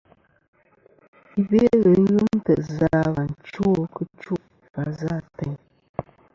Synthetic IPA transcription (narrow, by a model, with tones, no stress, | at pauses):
i˦be˦ɣə˨˦ɣɨ˦m˦tɛ˨ʔza˦βa˨n˨t͡ʃo˦kə˦t͡ʃu˦ʔfa˨˦za˦˨tɛ˨ɲ